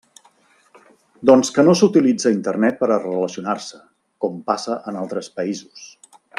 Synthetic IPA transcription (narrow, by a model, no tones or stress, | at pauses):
d̪ɔnskənosut̪ilid͡zəint̪ərnɛt̪̚pəɾərələsiunarsə | kɔmpasəʔənalˠt̪ɾəspəizus